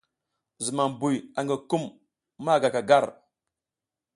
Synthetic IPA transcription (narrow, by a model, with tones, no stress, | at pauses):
zi˨ma˨m˨bu˨ja˨ŋɡa˨ku˦mː | a˦˨ɡa˨ka˨ɡa˦˨ɾ